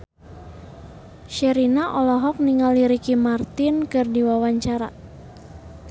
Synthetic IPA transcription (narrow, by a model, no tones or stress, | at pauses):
ʃɛɾinaʔɔlɔɦɔk̚niŋaliɾikimart̪ɪnkɨrdiwawaɲt͡ʃaɾa̰